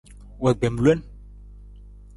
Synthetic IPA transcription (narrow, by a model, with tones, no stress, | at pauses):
wɛ˨ɡ͡bɛ˨mlɛ˦n